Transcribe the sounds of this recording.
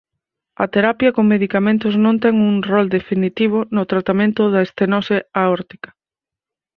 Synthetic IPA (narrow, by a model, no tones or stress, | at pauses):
ɐ̰t̪eɾapjɐkoŋmeðikamẽnt̪̬ʊsnõnt̪ɛŋuŋrɔld̪efinit̪iβ̞ʊnʊt̪ɾat̪amẽnt̪ʊðɐest̪enoseaɔɾt̪i̥kɐ̥